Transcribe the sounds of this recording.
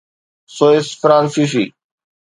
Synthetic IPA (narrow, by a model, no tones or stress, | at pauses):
soesfɾãːnsiʃi